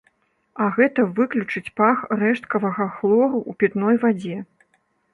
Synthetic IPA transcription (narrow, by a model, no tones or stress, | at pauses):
ɐɣɛt̪ɐvɨklʲut͡ʂɨt͡sʲpaxrɛʂt̪̚kɐvɐɣɐxlˠɔɾuʔupʲit̪nɔjvad͡zʲɛ